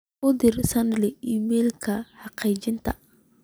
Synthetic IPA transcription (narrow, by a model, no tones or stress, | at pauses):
ʊd̪ɪrsɐnlɪiːmɛːlkʰɐħɑqɛjt͡ʃɪnt̪ʰɐ̰